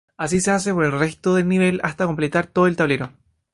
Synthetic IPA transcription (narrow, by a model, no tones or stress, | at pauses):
as̬iseas̬epoɾelrest̪oðelniβe̞last̪ako̞mple̞t̪aɾt̪oðoelt̪aβleɾo̞